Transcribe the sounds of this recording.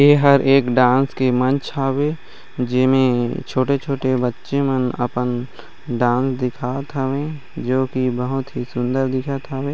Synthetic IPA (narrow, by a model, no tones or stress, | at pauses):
jeːɦəɾʔeːkɖãːnskemə̃nt͡ʃʰaːweː | d͡ʒɪsmẽt͡ʃʰoːʈet͡ʃʰoːʈebətːʃemənə̰pən | ɖãːnsd̪ɪkʰaːt̪ʰəʋẽ | d͡ʒoːkibəɦʊt̪ɦisʊ̃nd̪əɾd̪ɪkʰat̪ʰaʋẽː